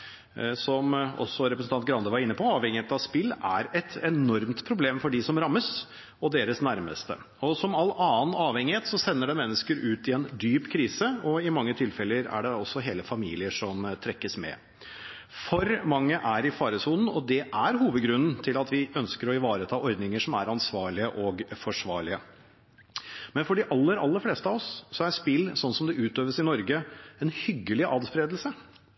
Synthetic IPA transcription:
sɔmɔ̰sːɔɾɛpɾəsn̩ʰɑnt̪ɡɾɑnd̪əʋɑɾɪnːəpʰɔɑːʋhɛŋɪheːt̪ɑʋspɪlːæ̰ɾɛt̪ʰɛnɔɾmt̪pʰɾʊbleːmfɔɖɪsɔmɾɑmːəs | ɔd̪eːɾəsnæɾmə̰st̪ə̰ | ɔsɔmɑlːɑːnɑːʋhɛŋɪheːt̪sɔsɛnːəɖɛmɛnːəskəɾʉːt̪ɪɛnd̪yːpkʰɾiːsəɔɪmɑŋːət̪ʰɪlfɛlːəɾæ̰ɖɛɔsːɔɦeːləfɑmiːlɪəʂɔmt̪ʰɾɛkːəsmɛ̰ | fɔɾmɑŋːəʔæɾɪfɑːɾəsuːnn̩ɔ̰d̪ɛʔæɾɦuːʋəd̪ɡɾʉnn̩t̪ʰɪlɑt̪ʰʋɪœnskəɾɔɪʋɑːɾət̪ʰɑːʔɔɾd̪nɪŋəʂɔmæɾɑnsʋɑːɭɪəʔɔɡfɔʂʋɑːɭɪə | mɛnfɔɖɪʔɑlːəɾɑlːəɾfleːst̪əɑːʋɔssɔæɾspɪlːsɔnːsɔmd̪ɛʔʉːt̪øːʋəsɪnɔɾɡəɛnhʏɡːəlɪʔɑːd̪spɾeːd̪lsə

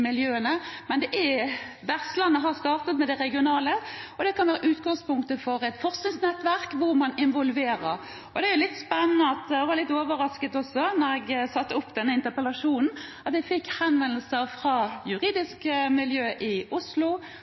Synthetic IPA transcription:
mɪljøːənəmɛnd̪ɛʔæ | ʋæʁsslɑnːəɦɑst̪ɑːʁt̪ət̪mɛd̪ɛʁɛɡɪʊnɑːləɔd̪ɛkɑnʋæːɾəʔʉːt̪ɡɑŋspʊŋkt̪əfɔɾɛt̪fɔʁsɪnsnɛt̪ʋæʁkʋʊɾmɑnɪnʋɔlʋeːɾəɾ | ɔd̪ɛæjʊlɪt̪ːspɛnənəɑt̪ɛʋɑlɪt̪ːoːʋəɾɑskət̪ɔsːɔnɔɾɛɡsɑt̪ːəʊpːd̪ɛnːəɪnt̪əpəlɑʂuːnn̩ɑt̪jæɪfɪkːhɑnʋɛnəl̩səɾfʁɑjʉʁiːd̪ɪskmɪljøːʔɪʊslʊ

